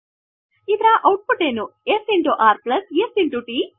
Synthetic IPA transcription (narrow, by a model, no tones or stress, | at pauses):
id̪ɾaʔɐwʈ̚puʈeːnuesiɳʈuʔaːɾplɐsesiɳʈuʈi